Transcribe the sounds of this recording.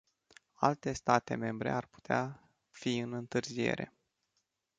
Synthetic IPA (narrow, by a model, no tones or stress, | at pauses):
a̰lt̪e̞st̪at̪e̞me̞mbɾe̞̰arpu̥t̪ea | fiɨnɨnt̪ɨrzie̞̰ɾe̞̰